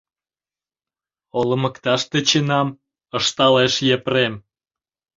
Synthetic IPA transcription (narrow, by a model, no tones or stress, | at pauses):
oləməkt̪ɑʃt̪et͡ɕenɑm | əʃt̪ɑleʃjeprem